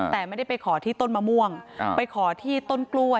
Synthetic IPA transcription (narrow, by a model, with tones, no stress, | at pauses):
t̪ɛː˨˩ma˥˩da˥˩pa˧jkʰɔː˩˦t̪ʰiː˥˩t̪o˥˩nmaː˧mu˧əŋpa˧jkʰɔː˩˦t̪ʰiː˥˩t̪o˥˩nklu˧ə